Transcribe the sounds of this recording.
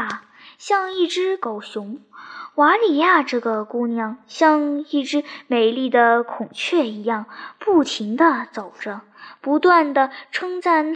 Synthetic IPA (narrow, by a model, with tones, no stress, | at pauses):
ɕjɑ˥˧ŋi˥˩ʈ͡ʂɻ̩˥ko˨˩ʊɕʊ˧˥ŋwa˧˥li˨˩ja˥˧ʈ͡ʂɤ˥˩ɡə˩ku˥˧njɑ˥˩ŋɕjɑ˥˧ŋi˥˩ʈ͡ʂɻ̩˥me˨˩ɪli˥˩d̪ə˩kʰʊ˨˩ŋt͡ɕʰɥɛ˥˩i˧˥jɑ˥˩ŋpu˥˩t͡ɕʰi˧˥ŋd̪ə˧t͡so˨˩ʊʈ͡ʂə˦ | pu˧˥t̪wa˥˩nd̪ə˩ʈ͡ʂʰɤ˥ŋt͡sa˥˩n